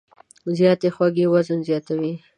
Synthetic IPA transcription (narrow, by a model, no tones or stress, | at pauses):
zjɑt̪exwaɡewazənzjɑt̪awi